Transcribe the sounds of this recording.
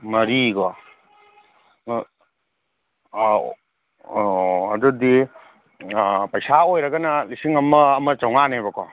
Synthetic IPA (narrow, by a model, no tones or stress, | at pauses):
mɐɾiɡɔ | ɐ̰dudi | pɐjsaojɾɐɡɐnɐlisiŋɐmɐːmɐt͡ʃawŋanejbɐkɔ